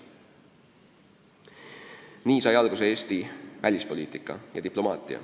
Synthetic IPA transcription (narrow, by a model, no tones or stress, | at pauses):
niːsɑjɑlɡ̥useeːst̪ivælʲispo̞liːt̪ˑikːˑɑ̰jɑ̰d̪iplo̞mɑːt̪ˑḭɑ̰